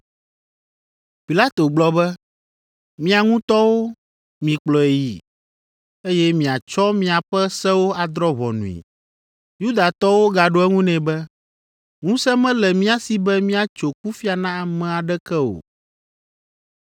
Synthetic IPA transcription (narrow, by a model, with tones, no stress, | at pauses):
pi˨la˦t̪o˨ɡ͡blɔ˦bɛ˦ | mĩ˦a˨ŋũ˦t̪ɔ˦wo˦ | mĩ˨k͡plɔ˨e˨ji˦˨ | e˦jɛ˦mĩ˨a˨t͡ʃɔ˦mĩ˦a˨ɸɛ˦sɛ˦wo˦a˨d̪ɾɔ˦βɔ̰˨nṵ̃˨ḭ˨ | ju˦d̪a˨t̪ɔ˦wo˦ɡa˨ɖo˦ɛ˦ŋũ˦nɛ̃˨bɛ˦ | ŋũ˦sɛ˦mɛ̃˦lɛ˨mĩ˦a˨si˨bɛ˦mĩ˦a˨t͡ʃo˨ku˦fi˦a˨nã˦a˨mɛ̃˨a˨ɖɛ˦kɛ˦o̰˨